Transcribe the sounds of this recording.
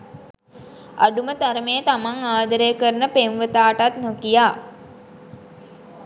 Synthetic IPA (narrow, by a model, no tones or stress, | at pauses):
a̰ɖumət̪aɾəmejət̪amaŋaːd̪əɾejəkəɾənəpenʋət̪aːʈat̪nokijaː